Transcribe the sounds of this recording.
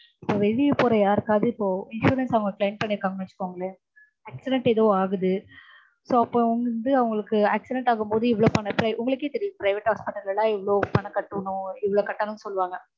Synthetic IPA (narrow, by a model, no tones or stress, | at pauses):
ɪpːoːʋɛɻɪjɯpoːɾɐjaːɾɯkːaːðɯɪpːoːɪnʂuːɾɛnsɐʋɐŋɡɐklɐɪɳʈ̚pɐɳːɪɾɯkːaːŋɡɐɐt͡ʃːɯ̥kːoːŋɡɐɭɛ | aːksɪɖɛɳʈɛðɐʋaːɣɯðɯ | soːɐpːõʊŋɡɐɾɯnd̪ɯɐʋɐŋɡɐɭɯkːɯaːksɪɖɛɳʈaːɣɯmpoːðɯɪʋɐɭoːpɐɳːɐpɪɾɐʔʊŋɡɐɭɯkːeːt̪ɛɾɪjʊ̃pɾɐɪʋɛʈhaːspɪʈːɐlɣɐɭlãːɪʋːɐɭoːpɐɳɐkːɐʈːɯʋɐnʊ̃ɪʋːɐɭoːkɐʈːɐnʊ̃sɔlːʋaːŋɡɐ